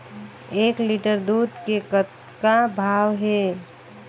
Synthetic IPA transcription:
eːkliʈəɾd̪ud̪kekət̪ | kabʱaːwɦe

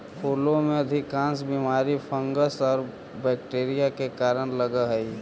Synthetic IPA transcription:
pʰoːlõmẽəd̪ʱɪkãːnsbimaːɾipʰə̃ŋɡəsɔːɾ | bɛːk̚ʈeːɾijakekaːɾənləɡəɦəi

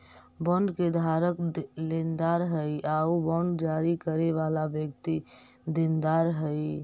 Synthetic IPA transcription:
bə̃ɳɖked̪ʱaɾəklend̪aɾɦəiaobəɳɖd͡ʒaɾikəɾeʋalabjək̚t̪i | d̪ind̪aɾɦəj

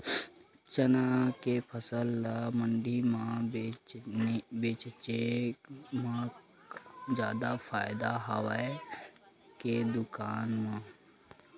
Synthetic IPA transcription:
t͡ʃənakepʰəsəlːaməɳɖimã | beːt͡ʃt͡ʃe | mã | d͡ʒjaːd̪afʰaːɪd̪aɦəwae | ked̪ʊkaːnmãː

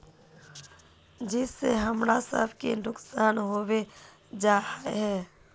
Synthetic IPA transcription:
d͡ʒɪsːḛɦəmɾasə̰bkḛnʊksaːnɦoːwe | d͡ʒaːhaɦɛː

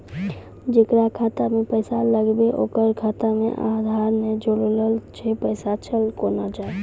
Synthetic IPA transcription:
d͡ʒekɾakʰat̪amepəjsaləɡbeʔokəɾkʰat̪amḛʔad̪ʱaɾned͡ʒoɽləlt͡ʃʰepəɪsat͡ʃʰəlkonad͡ʒae

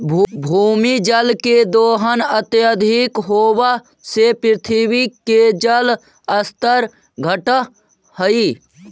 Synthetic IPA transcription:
bʱbʱuːmid͡ʒəlked̪oːɦənət̪jəd̪ʱikɦoːwa | sepɾɪt̪ʰiwiked͡ʒəl | əst̪əɾ | ɡʱəʈə | həi

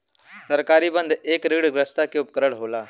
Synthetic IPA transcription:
sɐɾkaːɾibə̃nd̪ʱeːkɾiːɽɡɾəst̪akeʊp̚kəɾəɽɦoːlaː

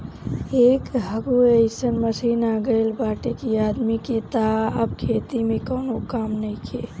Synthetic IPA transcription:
ekɦəɡueɪsənməsinaɡəɪlbaʈekiad̪miket̪aəbkʰet̪imekəːnokamnəjkʰe

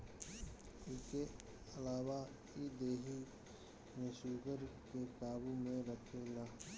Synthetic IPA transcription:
ɪske | ɐlaːwa | id̪eːɦi | mẽʃuːɡəɾkekaːbumẽɾəkʰelaː

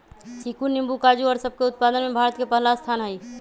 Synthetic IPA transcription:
sikunːimbukad͡ʒuɔɾsəb̚ʱkeʊt̪̚paːd̪ənmẽbʱaːɾət̪kepəɦlast̪ʰaːnɦəi

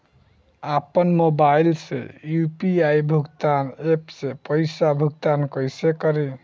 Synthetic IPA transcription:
apənmobailsḛjupiaijbʱuɡt̪anepsepəɪsabʱuɡt̪ankəjsekəɾe

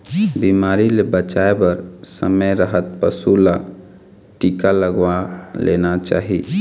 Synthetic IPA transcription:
bimaːɾilebət͡ʃaebəɾsə̰məjɾəɦət̪̚pəsula | ʈiːkaləɡwalḛːnat͡ʃa̰ːɦi

